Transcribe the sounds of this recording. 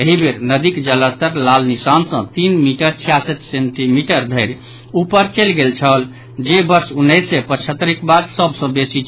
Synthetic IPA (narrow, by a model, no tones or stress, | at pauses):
əɦibeɾnəd̪ikd͡ʒələst̪əɾlalnisansə̃t̪inmiʈəɾt͡ʃʰijasət̪seɳʈimiʈəɾd̪ʱəɪɾ | upəɾt͡ʃəlɡelt͡ʃʰəl | d͡ʒebəɾsunːəjsepət͡ʃʰət̪ːɾikbad̪səbsə̃besit͡ʃʰ